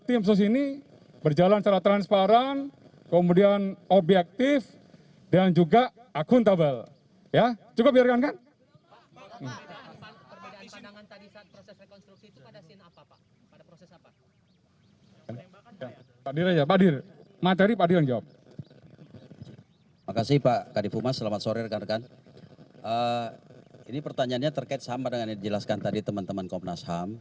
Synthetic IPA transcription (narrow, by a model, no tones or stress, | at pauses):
t̪ɪms̬us̬ini | bərd͡ʒalanst͡ʃaɾat̪ɾanspaɾan | kəmudianobjɛk̚t̪ɪf | dand͡ʒuɡa | akʊnt̪abal | jad͡ʒuɡabiarkankan | kan | ja | paadiɾad͡ʒaapadir | mat̪̬eɾipaːdiɾand͡ʒawap̚ | makasɪhpakadifumasəlamat̪soɾɪrkarkan | ʔə | inipərt̪aɲaːnɲat̪ərkaɪt̪̚samadəŋanɲadid͡ʒəlaskant̪adit̪əmant̪əmankomnasham